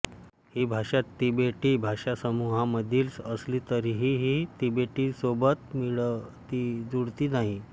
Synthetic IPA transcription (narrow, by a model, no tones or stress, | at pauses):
hiːbʱaʂat̪ːibeʈiːbʱaʂasəmuɦãməd̪ʱiːlsəsliːt̪əɾiɦiɦit̪ibeʈiːsobət̪miɭt̪id͡zuɽt̪iːnaɦi